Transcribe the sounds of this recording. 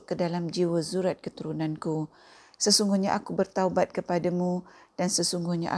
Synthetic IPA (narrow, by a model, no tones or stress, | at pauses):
kːədalamd͡ʒiwəzuɾat̪̚kət̪uɾunãnku | səsuŋɡuhɲaʔakubərt̪aubat̪̚kəpadamũ | d̥ansəsuŋɡʊhɲa̰ʔa